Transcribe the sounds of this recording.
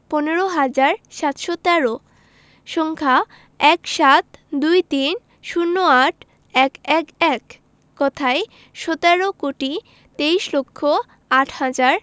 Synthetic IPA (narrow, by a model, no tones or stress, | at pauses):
pɔneɾoɦad͡ʑaɾʃat̪ʃot̪ɛɾo | ʃɔŋkʰa | ɛkʃat̪d̪ujt̪in | ʃunːoaʈʰ | ɛkɛkɛkː | ɔt̪ʰae | ʃɔt̪ɛɾokoʈi | t̪ejʃlokʰːo | aʈʰhad͡ʑaɾ